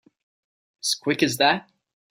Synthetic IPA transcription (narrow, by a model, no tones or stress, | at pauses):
z̥kʰw̥ɪkɨzðæt̚